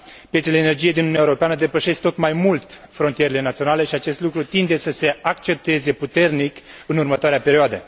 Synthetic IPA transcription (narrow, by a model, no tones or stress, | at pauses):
pjet̪seleenerd͡ʒijejd̪inununjaeoɾo̞peanəd̪e̞pəʃe̞skt̪o̞t̪majmult̪fɾo̞nt̪ije̞ɾele̞nat̪sio̞nale̞ʃiat͡ʃe̞st̪lukɾut̪ind̪e̞səse̞akt͡ʃe̞p̚t̪ue̞ze̞put̪e̞rnikɨnurmət̪oaɾeape̞ɾioad̪ə